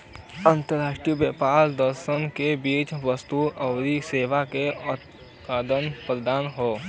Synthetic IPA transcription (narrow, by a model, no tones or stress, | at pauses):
ə̃nt̪əɾaːʃʈɾijbjəpaːɾd̪əɾʃənkebiːt͡ʃʋəst̪uəʋɾiseːʋakeʊt̪̚ | paːd̪ənpɾəd̪aːnɦoː